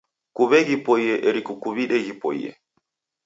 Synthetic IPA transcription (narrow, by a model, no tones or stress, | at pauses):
kuβɛɣipɔiɛʔɛɾikukuβiɗɛɣipɔḭɛ̰